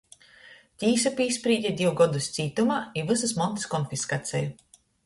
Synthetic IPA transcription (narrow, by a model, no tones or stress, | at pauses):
t̪ʲiːsapʲiːspɾiːd̪ʲɛd̪ʲiwɡɔd̪ust̪siːt̪umaivɨsɨsmɔnt̪i̥skɔnfiskat̪sʲɛju